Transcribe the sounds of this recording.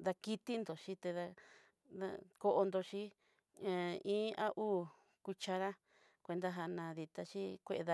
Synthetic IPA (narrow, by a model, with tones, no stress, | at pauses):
ða˧ki˦t̪i˦nd̪o˨ʃi˦t̪e˧ða˧ | ða̰˧ko˧ʔo˧nd̪o˧t͡ʃĩ˦˨˧ | ĩː˦ʔa˦ʔuː˦ | ku˧t͡ʃa˧ɾa˦ | kʷe˧nd̪a˧ɦa˧nã˧ði˧t̪a˧t͡ʃi˦kʷe˦ʔe˧ða˧